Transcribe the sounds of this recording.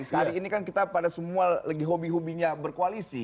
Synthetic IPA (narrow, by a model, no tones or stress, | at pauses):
shaɾiːnikankit̪apadasəmualaɡiɦobiɦubiɲabərkoalisi